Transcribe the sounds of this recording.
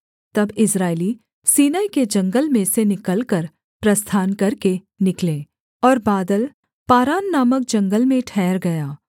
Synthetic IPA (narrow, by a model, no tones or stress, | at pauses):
t̪ɐbɪsɾaːɪli | siːnaːiked͡ʒɐ̃ŋɡəlmẽsenɪkəlkɐɾ | pɾɐst̪ʰaːnkɐɾke | nɪkleː | ɔːɾbaːd̪əl | paːɾaːnːaːmək̚d͡ʒɐ̃ŋɡəlmẽʈʰɛːɾɡɐjaː